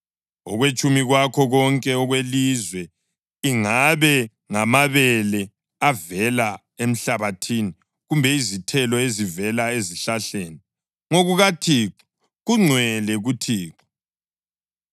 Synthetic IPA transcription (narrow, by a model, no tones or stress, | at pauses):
ɔ̰ɣwet͡ʃʼumiɣwakʰɔɣɔŋkʼɛɔɣwelizwɛ | iŋaβɛ | ŋamaβɛlɛ | avɛla | em̩ɬaβatʰiːni | ɣumbʱɛizitʰɛlɔezivɛlaeziɬaɬeːni | ŋoɣuɣatʰiːǁɔ̥ | ɣuŋ͡ǀʱwɛlɛɣutʰiːǁɔ̥